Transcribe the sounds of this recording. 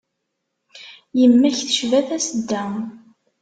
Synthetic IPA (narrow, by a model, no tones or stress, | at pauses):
jəmːæçθə̥ʃvæθæsəd̪ːæ